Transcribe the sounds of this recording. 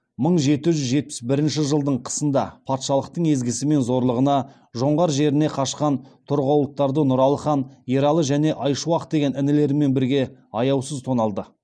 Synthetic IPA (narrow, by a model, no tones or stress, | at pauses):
məɴʒe̞t̪ɪʒʏzʒe̞t̪̚pɪ̥sbɪɾɪnʃɪʒəlˠd̪əɴqʰə̥sənd̪ɑpʰɑt̪ʃɑlˠəq̚t̪əɴe̞zɡʲɪsɪme̞nzo̞ɾlˠəʁənɑ | ʒo̞ɴʁɑɾʒe̞ɾɪneqʰɑʃqɑnt̪ʰʊɾʁɑwlˠət̪ːɑɾd̪ənʊɾɑlˠəχɑnieɾɑlˠəʒæne̞ʔɑjʃuɑq̚d̪e̞ɡʲenɪnɪle̞ɾɪme̞nbɪɾɡʲe̞ɑjɑwsəzt̪ʰonɑlˠd̪ə